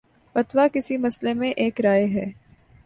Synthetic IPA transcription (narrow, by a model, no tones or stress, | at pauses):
pɐt̪wakɪsimɐslemẽʔeːkɾaːeɦɛː